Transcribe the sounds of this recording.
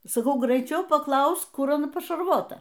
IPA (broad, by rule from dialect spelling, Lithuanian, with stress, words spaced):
sɐˈkɐʊ ɡrʲɛɪˈt͡ʃʲɛʊ pɐˈklˠɐʊsk ˈkʊr ɐˈnɐ pɐʃɐrˈʋoːtɐ